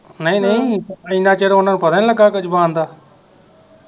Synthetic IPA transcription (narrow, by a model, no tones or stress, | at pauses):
nəĩːnəĩːĩnãːt͡ʃeːɾoʊnaːnuːpəd̪aːniləɡaːkət͡ʃʰbãːnd̪aː